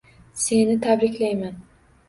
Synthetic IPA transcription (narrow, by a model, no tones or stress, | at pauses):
se̞nɪt̪ʰabɾɪkʲlajman